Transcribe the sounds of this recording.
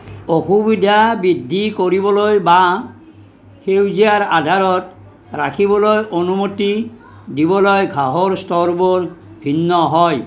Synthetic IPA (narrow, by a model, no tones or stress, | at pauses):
oxubidʱabidʱːikoɹibɔlojba | xewziaɹadʱaɹɔt | ɹakʰibɔlojʔonumoti | dibɔlojɡʱaɦoɹstɔɹboɹ | bʱinːɔɦɔj